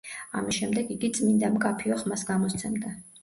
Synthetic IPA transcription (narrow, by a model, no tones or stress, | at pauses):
a̰misʃɛmd̪ɛɡiɡit̪sʼmind̪amkʼapʰiɔχmasɡamɔst̪sʰɛmd̪a